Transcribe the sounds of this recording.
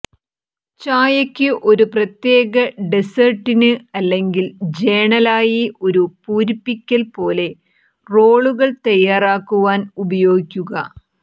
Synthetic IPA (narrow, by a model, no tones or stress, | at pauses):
t͡ɕaːjɐkʲːɨʔo̞ɾuprɐt̪je̞ːɣɐɖesɐrʈːinɨɐlːe̞ŋɡild͡ʑe̞ːɳɐlaːjiʔo̞ɾupuːɾipːikʲːɐlpo̞ːle̞ | ro̞ːɭuɣɐɭt̪ɐjːaːraːkːuʋaːnubɐjo̞ːɡikʲːuɣɐ